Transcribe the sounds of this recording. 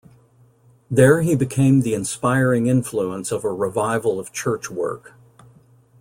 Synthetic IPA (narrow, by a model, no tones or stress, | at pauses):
ðə˞ibɨkʰẽɪ̃mðiɨ̃nspaɪɹɪ̃ŋɪ̃ɱfluə̃nsʌvəɹɨvaɪvl̩ˠʌv̥t͡ʃʰɜ˞t͡ʃwɜ̰˞k